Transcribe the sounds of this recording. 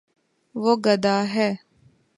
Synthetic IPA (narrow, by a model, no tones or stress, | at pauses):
ʋoɡɐd̪aːɦɛː